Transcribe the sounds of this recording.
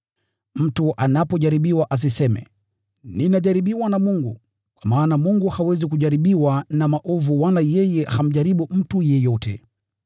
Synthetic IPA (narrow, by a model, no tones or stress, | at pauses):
m̩tuʔanapɔʄaɾiɓiwaʔas̬isɛmɛ̰ | ninaʄaɾiɓiwanamuŋɡu | kwamaːnamuŋɡuhawɛzik̬uʄaɾiɓiwanamaʔɔvuwalajɛjɛham̩ʄaɾiɓum̩tujɛjɔtɛ̰